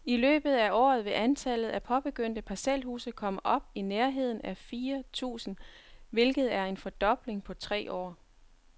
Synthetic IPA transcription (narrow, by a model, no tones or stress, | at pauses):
ilø̰ːb̥ð̩ˠæɒ̰ːðˠʋe̝ʔænt͡sʰælð̞̩ˠæpʰɒ̽b̥e̝ɡ̥øn̰d̥əpʰɑselɦhṵːsəkʰɒ̽m̰əʔɒ̽b̥ineɐɦe̝ð̞̰ˠn̩æfiːɐt͡sʰṵːsn̩ʋe̝lɡ̥ð̩ˠæɐe̝nfɒ̽d̥ɒ̽b̥le̝ŋpʰɒ̽t͡sʰʁɛ̰ːʔɒ̰ː